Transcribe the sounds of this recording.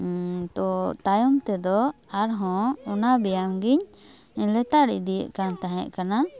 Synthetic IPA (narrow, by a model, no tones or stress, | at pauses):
t̪ɔt̪ajɔmt̪ɛd̪ɔaɾɦɔ̃ɔnabɛjamɡiɲ | lɛt̪aɾḭd̪ijɛ̰ʔ̚kant̪aɦɛ̰ʔkana